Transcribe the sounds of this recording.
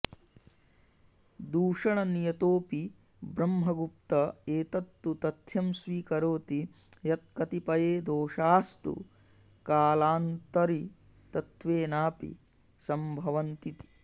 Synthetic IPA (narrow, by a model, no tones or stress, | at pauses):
d̪uːʂɐɳɐnijɐt̪oːpi | bɾɐmɦɐɡup̚t̪ɐeːt̪ɐt̪ːut̪ɐt̪ʰjɐmsʋiːkɐɾoːt̪i | jɐt̪̚kɐt̪ipɐjeːd̪oːʂaːst̪ṵ | kaːlaːnt̪ɐɾi | t̪ɐt̪ʋeːnaːpḭ | sɐmbʱɐʋɐnt̪it̪i̥